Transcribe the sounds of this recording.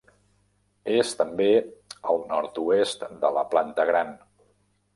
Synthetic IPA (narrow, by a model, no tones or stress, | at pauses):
est̪əmbeəlˠnɔɾt̪uest̪d̪ələ̰plant̪əɣ̞ɾan